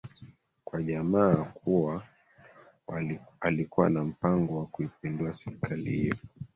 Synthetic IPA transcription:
kwaʄamaːkuwa | alikuwa̰nam̩paŋɡɔwakuipinduasɛɾikʰalḭhḭjɔ

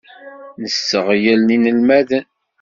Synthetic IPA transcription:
nəsːəʁjəlninəlmæðən

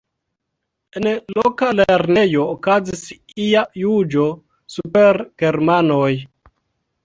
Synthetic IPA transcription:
enlokaleɾnejo̞ːkazis | iajud͡ʒo̞ | supeɾɡ̥e̞ɾmanoj

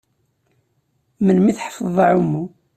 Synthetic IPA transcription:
mənmiθħfəðˤɑʕumːu

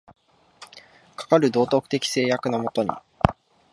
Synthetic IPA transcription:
kḁkaɾɯ̟d̪o̞ːt̪o̞kɯ̟̥t̪e̞kʲi̥se̞ːjakɯ̟namo̞t̪o̞ɲ̟ḭ

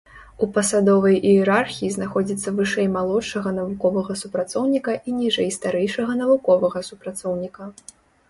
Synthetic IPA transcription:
upɐsad̪ɔvɐjʔijɛɾarxʲijiznaxɔd͡zʲit̪sːɐvɨʂɛjmalˠɔtʂɐɣɐnɐvukɔvɐɣɐsupɾat̪sɔwnʲikɐʔinʲiʐɛjst̪aɾɛjʂɐɣɐn̪ɐvukɔvɐɣɐsupɾat̪sɔwnʲikɐ

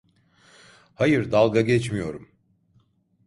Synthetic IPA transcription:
hajɯɾd̪alˠɡaɟɛt͡ʃmijo̞ɾum

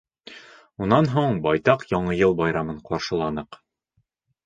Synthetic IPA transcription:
unɑnɦuɴbɒjt̪ɑqjɒɴɤjɤlˠbɑjɾɑmɤɴqɑɾʃɤ̆lˠɑnɤq

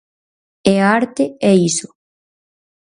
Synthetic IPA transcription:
eaɾt̪eeiso

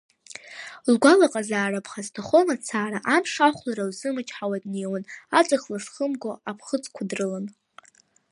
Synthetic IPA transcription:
lɡʷalaqʼazaːrapʰχaztʰoχonat͡sʰaːɾaʔamʂaχʷlaɾawzɨmɨt͡ʃʼħawadnewanat͡sʷʼɨχlaʂχəmɡʷoapʰχət͡sʼkʷʰadrɨlan

